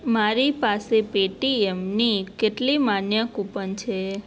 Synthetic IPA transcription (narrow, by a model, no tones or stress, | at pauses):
maɾipasepeʈiemnikeʈlimanjəkupənt͡ʃʰe